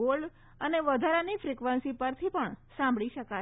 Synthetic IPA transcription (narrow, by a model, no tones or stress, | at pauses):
ol | əneʋəd̪ʱaɾanifɾikʋənsipəɾt̪ʰipəɳsãmbʱɭiʃəka